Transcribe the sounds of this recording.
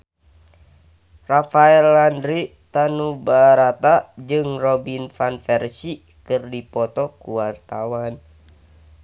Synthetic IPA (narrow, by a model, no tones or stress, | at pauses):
rafaɛlːandɾi | t̪anubaɾat̪ad͡ʒɨŋrɔbinfanfɛrsi | kɨrdipɔt̪ɔkuwart̪awan